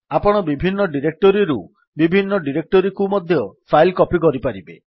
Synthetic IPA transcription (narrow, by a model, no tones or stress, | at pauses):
apɔɽ̃ɔbibʱinːɔɖiɾek̚ʈɔɾiɾṵ | bibʱinːɔɖiɾek̚ʈɔɾikumɔd̪ʱjɔpʰajlkɔpikɔɾipaɾibe